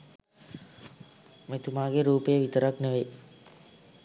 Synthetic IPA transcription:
met̪umaːɡeɾuːpejəʋit̪əɾakneʋe

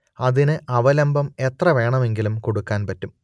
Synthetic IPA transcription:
ɐðinɨʔɐʋɐlɐmbɐme̞t̪rɐʋe̞ːɳɐme̞ŋɡilumkoɽukːaːnpɐtːum

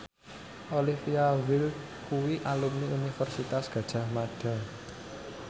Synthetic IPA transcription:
ʔolifiawil | kuwiʔalumniunifɛrsit̪asɡ̥ä̤d̥ʒ̥a̤hmaɖ̥a̤

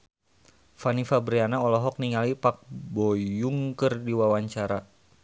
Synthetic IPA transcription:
fanifabɾianaɔlɔɦɔk̚niŋalipak̚bɔjuŋkərdiwawaɲt͡ʃaɾa

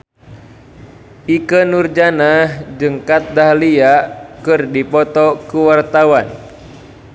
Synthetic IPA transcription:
ʔikənurd͡ʒanahd͡ʒɨŋkat̪̚dahliakɨrdipɔt̪ɔkuwart̪awan

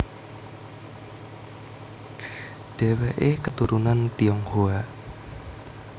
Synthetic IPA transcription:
ɖ̥ɛ̤wɛʔekət̪uɾunant̪iɔŋhoa

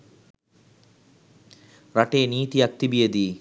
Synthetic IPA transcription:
ɾɐʈeːniːt̪iɐk̚t̪ibijɐd̪i

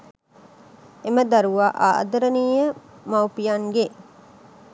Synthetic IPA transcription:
eməd̪aɾuʋaːʔa̰ːʔd̪əɾəniːjə | mawpijaŋɡe

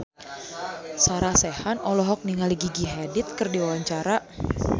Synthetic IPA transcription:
saɾasɛhanɔlɔɦɔk̚niŋaliɡiɡiɦadɪt̪̚kɨrdiwawaɲt͡ʃaɾa

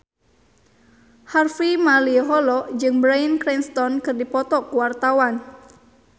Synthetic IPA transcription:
harfimaliɦɔlɔd͡ʒɨŋbɾajnkɾɛnst̪ɔnkɨrdipɔt̪ɔkuwart̪awan

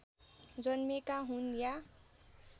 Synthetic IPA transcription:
d͡zʌnmekaɦunja

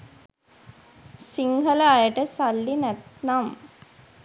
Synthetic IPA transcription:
siŋɦələajəʈəsalːinæt̪nam

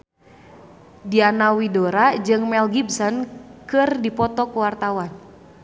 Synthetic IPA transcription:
dianawidoɾad͡ʒɨŋmɛlɡibsɔnkɨrdipɔt̪ɔkuwart̪awan

